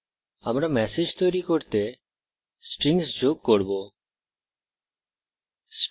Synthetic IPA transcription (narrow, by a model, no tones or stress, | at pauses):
amɾamɛsed͡ʒt̪ɔjɾikoɾt̪e | sʈɾiŋsd͡ʒoɡ̚koɾbo | s